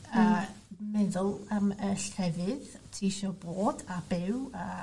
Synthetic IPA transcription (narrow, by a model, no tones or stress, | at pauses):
əmɛðʊlˠəməɬʰɛvɨðtʰiːʃɔboːdab̥ɪwə